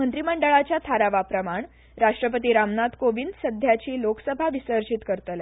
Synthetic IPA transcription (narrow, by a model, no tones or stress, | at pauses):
mənt̪ɾiməɳɖəɭat͡ɕjat̪ʰaɾaʋapɾəmaɳ | ɾaʂʈɾəp̬ət̪iːɾamnat̪koʋind̪səd̪ʱjat͡ɕiːloksəbʱaʋisəɾɕit̪kəɾt̪əla